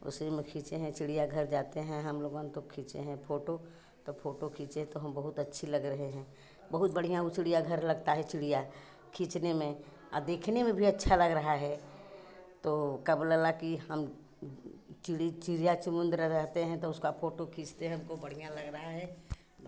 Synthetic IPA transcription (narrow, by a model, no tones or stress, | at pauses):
ʊ̰simẽkʰĩːt͡ʃeɦɛ̃t͡ʃɪɽijaɡʱɐɾd͡ʒaːt̪eɦɛ̃ɦɐmloːɡonet̪okʰĩːt͡ʃḛɦɛ̃pʰoːʈo | t̪opʰoːʈokʰĩːt͡ʃet̪oɦɐmbɐɦʊt̪ɐtːʃʰilɐɡɾɐɦeɦɛ̃ː | bɐɦʊt̪bɐɽ̤ijãʊt͡ʃɽijaɡʱɐɾlɐɡt̪aɦɛt͡ʃɪɽija | kʰĩːt͡ʃnemẽ | ɔ̰ːɾd̪eːkʰnemẽbʱiɐtːʃʰalɐɡɾɐɦaɦɛ | t̪oːkɐbləlakiɦɐm | t͡ʃɪɽit͡ʃɪɽijat͡ʃʊmʊ̃nd̪ɾəɾɛɦt̪eɦɛ̃t̪oʊskapʰoːʈokʰĩːt͡ʃt̪eɦɛɦʊmkobɐɽ̤ijalɐɡɾɐɦaɦɛː